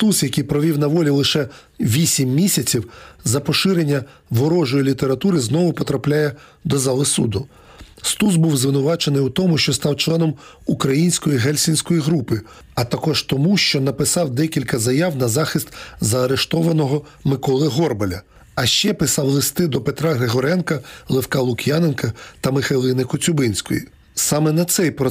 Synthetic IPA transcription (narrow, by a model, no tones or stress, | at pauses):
st̪usjɐkʲijpɾɔʋʲiwnɐʋɔlʲilˠɪʃɛ | ʋʲisʲimːʲisʲɐt͡sʲiwzɐpɔʃɪɾenʲːɐ | ʋɔɾɔʒɔjilʲit̪eɾɐt̪uɾɪznɔʋʊpɔt̪ɾɐplʲajɛ | d̪ɔzɑlˠɪsṵd̪ʊ | st̪usbuwzʋɪnʊʋɑt͡ʃenɪjut̪ɔmʊʃt͡ʃɔst̪ɑwt͡ʃlˠɛnɔm | ukɾɐjinʲsʲkɔjiɦɛlʲsʲinʲsʲkɔjiɦɾupɪ | ɐt̪ɐkɔʒt̪ɔmuʃt͡ʃɔnɐpɪsɑwd̪ɛkʲilʲkɐzɐjɑwnɐzɑxɪst̪zɐːɾeʃt̪ɔʋɐnɔɦɔ | mɪkɔlˠɪɦɔrbɐlʲɐ | ɐʃt͡ʃɛpɪsɑwlˠɪst̪ɪd̪ɔpet̪ɾɑɦɾeɦɔɾɛnkɐlˠefkɑlˠʊkʲjanenkɐt̪ɐmɪxɐjlˠɪnɪkɔt͡sʲʊbɪnʲsʲkɔ̰jḭ | sɑmɛnɐt̪sɛjpɾɔ